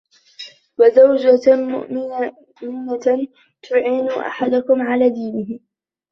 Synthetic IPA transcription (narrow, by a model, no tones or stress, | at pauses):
wazawd͡ʒamʊ̰ʔmɪ | mɪna | t̪ʰʊʕiːnʊʔa̰ħad̪ʊkʊmʕalaːd̪iːnɪhɪ